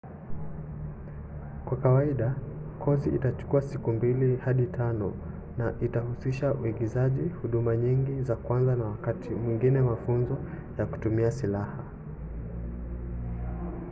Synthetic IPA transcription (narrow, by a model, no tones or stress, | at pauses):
kwakawaiɗa | kʰɔziʔḭtat͡ʃu̥kuasikumbilihaɗitʰanɔ | naʔitahusiʃauiɡizaʄihuɗumaɲiŋɡizakwanzanawakatʰimwiŋɡinɛmafunzɔ | jaku̥tumiasilaha